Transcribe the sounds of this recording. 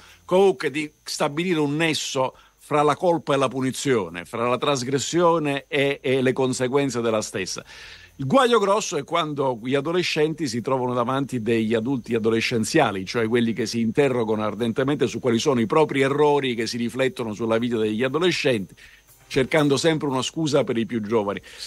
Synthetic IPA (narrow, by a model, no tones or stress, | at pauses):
komuŋkwed̪ist̪abiliːɾeunːɛsːo | fɾalakolpaelːapunit̪sjoːnḛfɾalat̪ɾazɡɾesːjoːneːlekonseɡwɛnt̪sed̪elːast̪esːa̰ | ilɡwaʎːoɡɾɔsːoɛkːwand̪oʎiad̪oleʃːɛnt̪is̬it̪ɾɔːvanod̪avant̪id̪eʎːad̪ult̪iad̪oleʃːent̪sjaːlit͡ʃoɛkːwelːikesːiːnt̪ɛrːoɡanoard̪ent̪ement̪esukːwaːlisoːnoipɾɔːpɾiɛrːɔːɾik̟esːiɾiflɛt̪ːonosulːaviːt̪ad̪eʎːiad̪oleʃːɛnt̪i̥ | t͡ʃerkand̪osɛmpɾeunaskuːzapeɾipjud͡ʒːɔːvani